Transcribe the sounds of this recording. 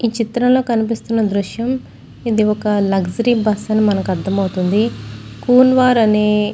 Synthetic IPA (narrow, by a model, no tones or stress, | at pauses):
iːt͡ʃit̪ɾɐmlo̞ːkɐnipist̪unːɐd̪ɾuʃjɐm | id̪iɔkɐlɐɡsɐɾibɐsɐnimɐnɐkuɐd̪ːɐmɐwut̪und̪ikuːnʋaːɾɐneː